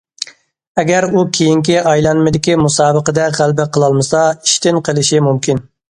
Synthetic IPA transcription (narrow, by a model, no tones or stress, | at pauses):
ɛɡʲæɾukʲʰejiŋkʲiɑjlˠɑnmɨd̪ɪkʲimusɑːbəqəd̪ɛʁælbɪqʰəlˠɑlˠmɨsɑiʃt̪ɪnqʰəlˠɪʃimumkʲin